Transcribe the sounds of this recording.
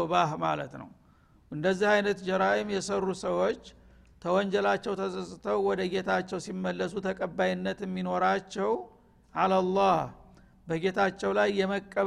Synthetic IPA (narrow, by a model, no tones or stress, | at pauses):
βahma̰lə̰t̪nə̰w | ʔɨnd̪əzːihajnət̪d͡ʒɛɾaʔɪmjɛsərːusəwo̞t͡ʃː | t̪ʰəwɔɲd͡ʒɛlat͡ʃːɛwt̪ʰəsʼəsʼɨt̪ʰəwwɔd̪əɡe̞t̪ʰat͡ʃːɛwsimːəlːəsut̪ʰəkʼəbːajɪnːət̪ɛmːino̞ɾat͡ʃːɛw | ʕalalˤːɑh | bəɡe̞t̪ʰat͡ʃːɛwlajːɛməkʼːə